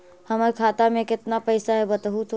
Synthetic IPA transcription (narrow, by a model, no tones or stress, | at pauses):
həməɾkʰaːt̪amẽkɪt̪napəɪsaɦɛbət̪ɦut̪ʰ